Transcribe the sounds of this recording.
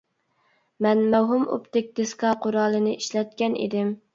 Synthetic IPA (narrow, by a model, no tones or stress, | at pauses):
mɛnmɛwɦumo̰pt̪ɪk̚ʲd̪̥ɪskɑqʰʊɾɑːlˠɨnɨiʃlɛt̪̚kʲɛnʔḭd̪ɪm